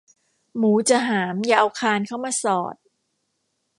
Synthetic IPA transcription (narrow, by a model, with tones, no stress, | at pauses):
muː˩˦t͡ɕa˧ɦaː˩˦mjaː˧ʔa˧wkʰaː˧nkʰa˥˩wmaː˧sɔ̰ː˨˩t̪̚